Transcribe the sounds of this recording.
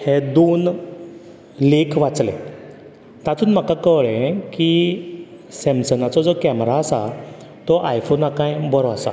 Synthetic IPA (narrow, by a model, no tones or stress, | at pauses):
hed̪on | likʋat͡slḛ̃ | t̪ãt̪uːnm̤akakəʋɭẽki | semsənat͡sɔd͡zɔkɛmɾaːsa̰ | t̪ɔʔajfonakãjbɔɾɔasa̰